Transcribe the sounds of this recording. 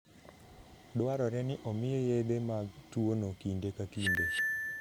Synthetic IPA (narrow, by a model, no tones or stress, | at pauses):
dwaɾɔɾɛnɪʔɔmɪjojed̪emaɡtuonokindekakinde